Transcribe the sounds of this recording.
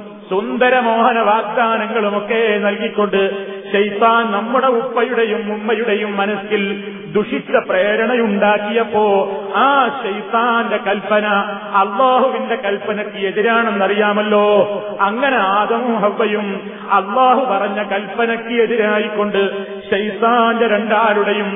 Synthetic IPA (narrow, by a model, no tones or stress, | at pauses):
sund̪ɐɾɐmo̞ːɦɐnɐʋaːɡ̚d̪aːnɐŋːɐɭumo̞kːe̞ːnɐlkikʲːo̞ɳɖɨ | ɕɐjt̪aːnnɐmːuɽe̞upːɐjuɽe̞jumːumːɐjuɽe̞jumːɐnɐsil | d̪uʂit͡ɕːɐpreːɾɐɳɐjuɳɖaːkːijɐpːo̞ːaːɕɐjt̪aːnde̞kɐlpːɐnɐː | lːaːɦuʋinde̞kɐlpːɐnɐkːɨe̞ðiɾaːɳenːɐrijaːmɐlːo̞ː | ɐŋːɐne̞aːd̪ɐmumɦɐʋːɐjum | ɐlːaːɦupɐrɐɲːɐkɐlpːɐnɐkːɨe̞ðiɾaːjikːo̞ɳɖɨ | ɕɐjt̪aːndeɾe̞ɳɖaːluɽe̞jum